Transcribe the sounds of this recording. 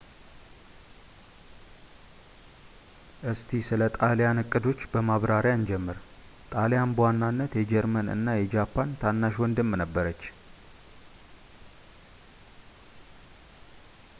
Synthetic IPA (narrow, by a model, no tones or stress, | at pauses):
ʔɨst̪ʰisɨlət̪ʼaljanɨkʼːɨd̪o̞t͡ʃːbəmaβɾaɾjaɨnd͡ʒɛmːɨɾ | t̪ʼalejanbəwanːanːət̪jɛd͡ʒɛɾmənɨ̰nːajɛd͡ʒapʰːant̪ʰanːaʃwɔnd̪ɨmːnəbːəɾət͡ʃː